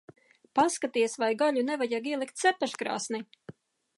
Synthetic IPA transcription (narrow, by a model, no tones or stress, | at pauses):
paskat̪iɛsvajɡaʎunevajaɡiɛlˠikt̪sɛpɛʃkɾa̰ːsni